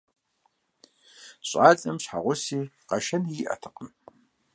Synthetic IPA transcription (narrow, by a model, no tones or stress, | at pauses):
ɕʼaːt͡sʼɐmɕħa̰ʁʷʊsiːqɐʃɐniʔɐ̰tʰɨ̥qəm